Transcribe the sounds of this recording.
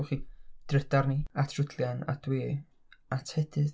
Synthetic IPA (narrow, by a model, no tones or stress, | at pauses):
χid̥rɛdarniatʰrʊdljana̰d̥we | atʰhɛdɪð